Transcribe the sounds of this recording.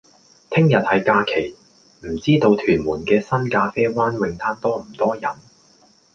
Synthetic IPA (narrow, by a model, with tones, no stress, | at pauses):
t̪ʰɪ˥ŋjɐ˨t̚hɐ˨jkaː˧kʰe˨˩j | m̩˨˩t͡siː˥t̪o˧wt̪ʰyː˨˩nmuː˨˩nkɛː˧sɐ˥nkaː˧fɛː˥waː˥nwɪ˨ŋt̪ʰaː˥nt̪ɔː˥m̩˨˩t̪ɔː˥jɐ˨˩n